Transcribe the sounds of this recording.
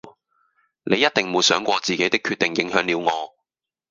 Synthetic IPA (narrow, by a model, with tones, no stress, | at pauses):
ne˨˧jːɐ˥t̚t̪ɪ˨ŋmuː˨˧jsœː˨˥ŋkʷɔː˧t͡siː˨ke˨˥jt̪ɪ˥kʰːy˧t̪ɪ˨ŋjɪ˨˥ŋɦœː˨˥ŋliː˨˧wŋɔː˨˧